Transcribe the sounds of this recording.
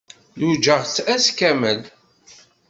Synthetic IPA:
jud͡ʒəʁt͡sːæskæməl

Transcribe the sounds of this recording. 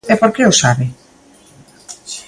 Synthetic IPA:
epoɾkeosaβɪ

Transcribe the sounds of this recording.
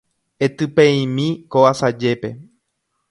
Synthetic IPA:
et̪ɨpeĩmĩkoʋasad͡ʒe̞pe̞

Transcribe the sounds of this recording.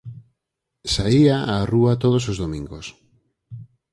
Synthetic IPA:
saiaʔaruat̪oð̞os̬ozðomĩŋɡos

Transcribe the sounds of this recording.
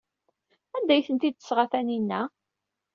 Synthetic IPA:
ænd̪æjθənt̪id̪̚θə̥sʁaθæninːæ

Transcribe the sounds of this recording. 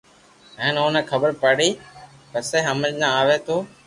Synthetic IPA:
ə̃ːnoːnẽːkʰəbəɾpəɽiːpəseːɦəməlnãːaːʋeːt̪oː

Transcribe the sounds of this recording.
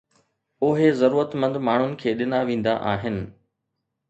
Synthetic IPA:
ʊɦezɐɾuːɾət̪mə̃nd̪maːɳ̤ʊnɪ̆kʰeːɗɪnaʋẽːn̆d̪a̰ʔaːɦɪnɪ̆

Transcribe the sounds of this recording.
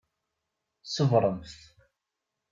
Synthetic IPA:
səvɾˤəmθθ

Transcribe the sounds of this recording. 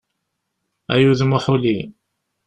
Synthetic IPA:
æjuðmʊħuli

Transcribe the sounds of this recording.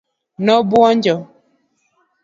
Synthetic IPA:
nɔbwɔɲd͡ʒɔ

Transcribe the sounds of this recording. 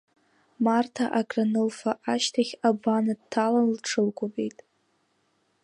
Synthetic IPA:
martʰaʔaɡʼranɨlfaʔaʃtʰaχʲabanadtʰːalanlʈ͡ʂʰɨlkʷʼobejtʼ

